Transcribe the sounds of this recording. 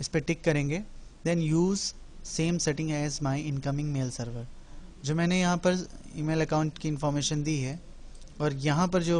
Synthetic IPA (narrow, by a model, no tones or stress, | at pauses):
ɪspeʈɪkːɐɾẽːŋɡeːd̪ɛ̃njuːz | sẽːmsɛʈɪ̃ŋɡɛːzmaːiɪ̃nkɐmɪ̃ŋɡmeːlsɐɾʋəɾd͡ʒoːmɛ̃ːnejɐɦãpɐɾḭːmeːlɐkãʊ̃ɳʈkiɪ̃nfɔːɾmeːʃənd̪iːɦɛ | ɔːɾjɐɦãpɐɾd͡ʒoː